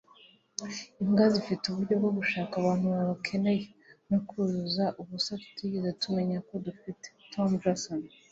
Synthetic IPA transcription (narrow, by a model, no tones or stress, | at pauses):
iŋɡazifituβuɾɟo̞bɡo̞ɡuʃaːkaβaːn̥huβaβakʰe̞ne̞jenukuzuzaʔuβusatu̥tiɟezetume̞ɲako̞dufite̥tʰomd͡ʒason